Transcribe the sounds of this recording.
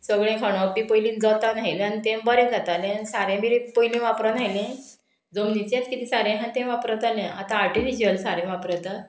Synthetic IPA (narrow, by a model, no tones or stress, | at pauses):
səɡɭẽkʰaɽ̃õpipojlĩːnd͡zət̪anaɦilanit̪ẽbəɾẽd͡zat̪alẽsaɾẽmiɾepojlĩʋapɾanajlẽ | d͡zomnit͡sjat͡skit̪isaɾẽɦant̪ẽʋapɾat̪alẽat̪ãːɾʈifid͡ʑəlsaɾẽʋapɾat̪a